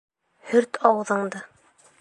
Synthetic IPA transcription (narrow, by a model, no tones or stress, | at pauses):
hɵɾt̪ʰɑwɤ̆ðɤ̆ɴd̪ɤ